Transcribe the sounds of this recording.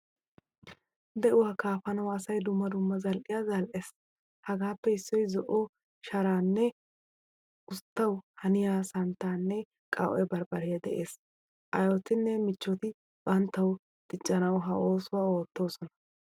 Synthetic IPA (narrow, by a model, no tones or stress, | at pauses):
d̪ɛʔʊwaːkaːfɐnɐwɐsɐjd̪ʊmːɐd̪ʊmːɐzɐlʔɪjaːzɐlʔes | hɐɡaːpːɛɪsːɔjzɔʔɔ | ʃɐɾaːnːɛ | ʊst̪ːɐwhɐnɪjaːsɐnt̪aːnːɛ | kʼɐ̰wʔɔ̰jbɐɾbɐɾɪjɐd̪ɛʔe̞ːs | ʔɐjɔt̪ɪnːɛmɪt͡ʃːɔt̪ɪ | bɐnt̪ːɐw | d̪̥ɪt͡ʃʼːɐnɐwɦɐʔo̞ːsʊwao̞ːt̪ːo̞ːsɔnɐ̥